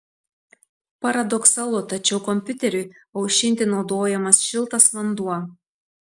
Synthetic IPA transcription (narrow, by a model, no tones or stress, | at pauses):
pɐɾɐd̪ɔksɐlˠʊt̪ɐt͡ʃʲɛʊkɔmʲpʲʊt̪ʲɛɾʲʊjɐʊʃʲɪnʲt̪ʲɪnɒʊd̪oːjɛmɐsʃʲɪlˠt̪ɐsʋɐnd̪uɔ